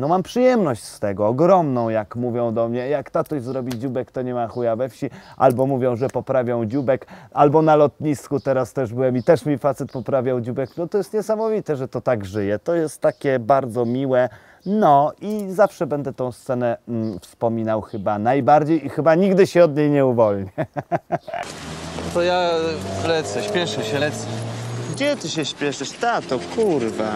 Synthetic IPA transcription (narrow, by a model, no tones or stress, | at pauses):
nɔmampʂɨjɛmnɔɕt͡ɕst̪ɛɡɔːɡɾɔmnɔ̃w̃jakmuvʲjɔ̃w̃d̪ɔmɲɛjakt̪at̪uɕzɾɔbʲid͡ʑubɛkt̪ɔɲɛmaxujavɛfɕiʔa̰lbɔmuvʲjɔ̃w̃ʐɛpɔpɾavʲjɔ̃w̃d͡ʑubɛkalbɔnalɔt̪ɲiskut̪ɛɾast̪ɛʐbɘwɛmit̪ɛʂmʲifat̪sɛt̪̚pɔpɾavʲjawd͡ʑubɛknɔt̪ɔjɛst̪ɲɛsamɔvʲit̪ɛʐɛt̪ɔt̪aɡʐɘjɛt̪ɔjɛst̪ːakʲɛbaɾd̪zɔmʲiwɛ | nɔizafʂɛbɛnd̪ɛt̪ɔ̃w̃st̪sɛnɛfspɔmʲinawxɘbanajbaɾd͡ʑejixɘbaɲiɡd̪ɘɕɛɔd̪ɲejɲɛuvɔlɲɛ | ɔt̪ɔjavlɛt̪sɛɕpʲjɛʂɛɕɛt̪sɛɡd͡ʑɛt̪ɘɕɛɕpʲjɛʂɘʂt̪akt̪ɔkʰuɾva